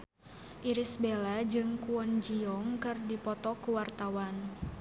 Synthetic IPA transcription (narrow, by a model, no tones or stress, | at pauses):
ʔiɾisbelad͡ʒɨŋkuɔnd͡ʒiɔŋkɨrdipɔt̪ɔkuwart̪awan